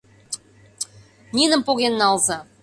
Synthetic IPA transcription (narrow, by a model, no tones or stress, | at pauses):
nʲinə̆mpoɣenːɑlzɑ